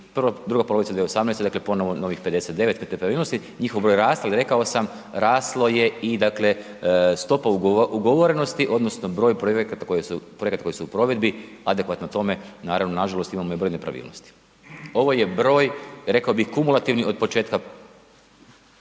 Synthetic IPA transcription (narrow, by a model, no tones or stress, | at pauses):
prʋad̪ɾuɡapolo̞ʋitsd̪ʋieosamnest̪ed̪aklepo̞noʋonoʋixpe̞d̪eset̪̚d̪e̞ʋe̞t̪kmet̪ːepɾaʋiːlˠno̞st̪i | ɲixoʋbɾo̞jɾaːst̪alɾe̞kaosam | ɾaːslˠoje̞id̪akle̞ | st̪o̞pauʔuɡoʋoɾenost̪iʔo̞d̪no̞sno̞bɾo̞ːjpɾojekat̪ako̞jesupɾo̞ekat̪akojisuupɾo̞ʋe̞d̪biad̪e̞kʋat̪not̪o̞menaːɾaʋnonaʒalˠo̞st̪imamojebɾojnepɾa̰ʋḭːlˠno̰st̪i̥ | o̞ʋo̞jebɾo̞ːjɾe̞kaobixkumulˠat̪iʋnio̞d̪̚po̞t͡ʃeːt̪ka